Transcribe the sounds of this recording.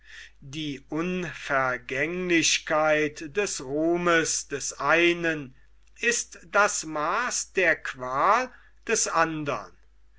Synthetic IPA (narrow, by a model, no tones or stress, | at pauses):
diːʔʊnfɛɐɡɛŋlɪɕkaɪtd̥ɛsʁoːməsd̥ɛsʔaɪnən | ɪstd̥asmaːsd̥eːɐkv̥aːl | d̥ɛsʔandɐ̰n